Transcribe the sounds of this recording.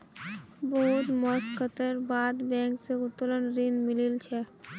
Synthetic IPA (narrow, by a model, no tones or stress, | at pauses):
boɦut̪mɔskət̪eɾbad̪bɛŋkseut̪ːolonɾinmililt͡ɕʰe